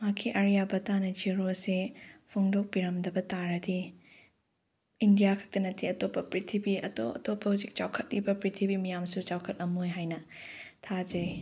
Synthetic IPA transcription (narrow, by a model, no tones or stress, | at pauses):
makʰiʔɐɾjabɐtanɐd͡ʒiɾosepʰoŋdok̚piɾɐmdɐbɐtaɾɐdi | indijakʰɐ̥k̚tɐnɐtʰiɐtopːɐpɾitʰibiɐto̰ɐ̰topʰːɐuzik̚t͡ʃawkʰɐt̚libɐpɾitʰibimɐjamsut͡ʃawkʰɐt̚ɐmojɦajnɐ | tʰad͡ʒɐj